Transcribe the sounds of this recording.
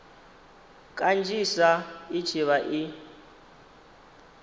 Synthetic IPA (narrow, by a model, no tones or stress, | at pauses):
kʼand͡ʒʱisai̥t͡ʃʰiβaʔi